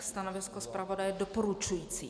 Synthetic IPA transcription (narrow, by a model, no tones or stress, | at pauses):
st̪anovɪskospɾavodajɛdopoɾut͡ʃujiːt͡sḭː